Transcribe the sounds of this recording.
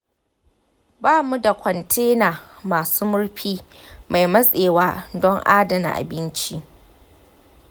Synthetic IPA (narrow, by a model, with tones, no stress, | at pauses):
baː˦mu˦da˨kʷʰɔ˨ntʰeː˦naː˨maː˨suː˦mʊ˦ɽɸiː˦ | mʔa˨jmɐ˦sʼeː˨waː˦dɔ˦ŋʔaː˦dɐ˨na̰˨ʔa̰˨bɪ˦nt͡ʃi˦ʔ